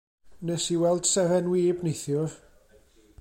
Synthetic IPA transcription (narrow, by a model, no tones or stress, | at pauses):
nɛsiwɛlˠd̥sɛvɛnwiːbnejθjʊr